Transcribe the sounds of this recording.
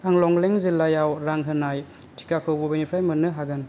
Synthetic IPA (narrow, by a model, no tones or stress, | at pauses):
aŋlɔŋleŋzilːajawɾaŋɦɯnaj | tʰi̥kakʰɯwbɔbanipʰɾajmɯnːɯɦaɡɯn